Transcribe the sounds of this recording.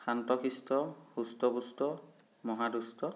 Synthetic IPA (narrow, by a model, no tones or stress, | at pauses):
kʰantɔkʰistɔhustɔbustɔ | mɔɦadustɔ